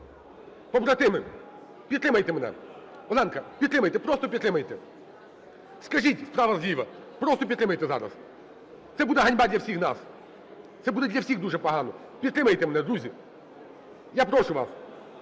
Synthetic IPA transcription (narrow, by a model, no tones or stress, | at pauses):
pɔbɾɐt̪ɪmɪ | pʲid̪t̪ɾɪmɐjt̪ɛmɛnɛ̰ | ɔlˠɑnkɐpʲid̪t̪ɾɪmɐjt̪ɛpɾɔst̪ɔpʲid̪ɾɪmɐjt̪ɛ | skɐʒitʲspɾɑʋɐzlʲiʋɐ | pɾɔst̪ɔpʲid̪t̪ɾɪmɐjt̪ɛzɑ̰ɾɐ̰s | t̪sɛbud̪ɛɦɐnʲbɑd̪ʲlʲɐwsʲixna̰s | t̪sɛbud̪ɛd̪ʲlʲɐwsʲiɣd̪uʒɛpɔɦɑnɔ | pʲid̪t̪ɾɪmɐjt̪ɛmɛnɛd̪ɾuzʲi | japɾɔʃʊʋas